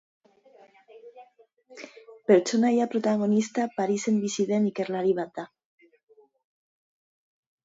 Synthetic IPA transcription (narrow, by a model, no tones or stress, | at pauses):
peɾt͡ʃonaʝapɾot̪aɣonist̪apaɾisembisiðemikeɾlaɾiβat̪a